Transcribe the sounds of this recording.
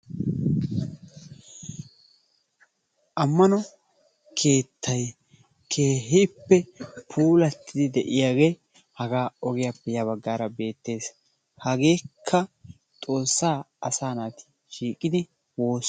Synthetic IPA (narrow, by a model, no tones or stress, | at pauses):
ʔɐmːɐnɔ | kʰe̞ːt̪ʰːɐj | kʰeːɦɪpːɛpʰuːlɐt̪ːɪd̪ɪd̪ɛʔɪjaːɡe̞ː | hɐɡaːɔɡɪjapːɛjɐβɐɡːaːɾɐbe̞ːt̪ːe̞ːs | hɐɡe̞ːkʰːɐ | t̪ʼo̞ːsːaː | ɐsaːnaːt̪ɪ̥ | ʃiːkʼɪd̪ɪ | wo̞ːs